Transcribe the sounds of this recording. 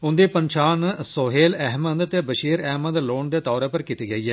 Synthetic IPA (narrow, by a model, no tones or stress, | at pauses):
und̪epɐnt͡ʃaːnɨsoɦeːlɐɦmɐnd̪ɐt̪ːebɐʂiːɾɐɦmɐd̪loːɳd̪et̪ɐʋɾɐpɐɾkit̪ːiɡɐjɐ